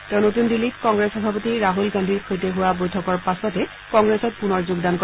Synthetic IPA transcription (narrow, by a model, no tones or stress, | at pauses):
tɛʊ̃notundilːitkɔŋɡɹesɔbʱapotiɹaɦulɡandʱiɹkʰojteɦuwabojtʰɔkɔɹpasɔtɛ | kɔŋɡɹɛsɔt̚punɔɹzuɡdankɔ